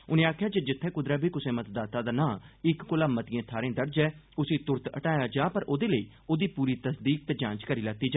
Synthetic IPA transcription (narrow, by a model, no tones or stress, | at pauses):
ʊnẽːaːkʰjaːd͡ʒeːd͡ʒɪt̪ʰːɛːkʊd̪ɾaːbʱiːkʊsẽːmət̪d̪aːt̪aːd̪aːnãːɪkːʊlaːmət̪ɪẽːt̪ʰaːɾẽːd̪əɽd͡ʒɛː | ʊsĩːt̪ʊɾt̪ə̰ʈaːjaːd͡ʒaːpəɾʔoːd̪eːləḭː | oːd̪iːpuːɾiːt̪əsd̪iːk̚t̪eːd͡ʒãːnt͡ʃkəɾiːlaːt̪iːd͡ʒaː